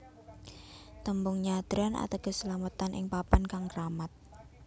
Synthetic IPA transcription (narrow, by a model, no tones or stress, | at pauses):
t̪əmbʊŋɲad̪̥ɾana̰t̪akəsəlamət̪anʔɪ̰ŋpapankaŋkɾamat̪̚